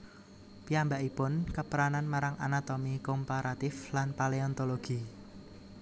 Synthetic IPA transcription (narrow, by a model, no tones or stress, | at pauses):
piambaʔipʊnkəpəɾananmaɾaŋʔanat̪omikompaɾat̪ɪflanpaleɔnt̪oloɡ̥i